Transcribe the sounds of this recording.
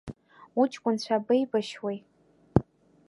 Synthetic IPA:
ut͡ʃʼkʷʼʊnt͡ɕʷʰabɨjbaʃwij

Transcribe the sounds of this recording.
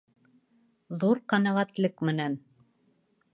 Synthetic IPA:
ðuɾqɑnɑʁæt̪lɘkmɘ̆næn

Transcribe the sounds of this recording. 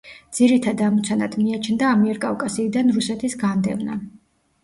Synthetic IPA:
d̪z̥iɾit̪ʰad̪amɔt̪sʰana̰d̪ʰmiat͡ʃʰnd̪aːmiɛɾkʼavkʼasiːd̪anɾusɛt̪ʰisɡand̪ɛ̰vna̰

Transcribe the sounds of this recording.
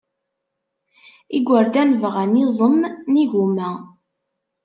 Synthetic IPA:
iɡʷəɾd̪ænvəʁænizˤəmːniʝumæ

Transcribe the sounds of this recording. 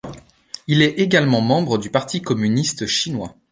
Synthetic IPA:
ilɛeɡalmɑ̃mɑ̃bʁəd̪ypaʁt̪ʰikɔmynist̪əʃinwa

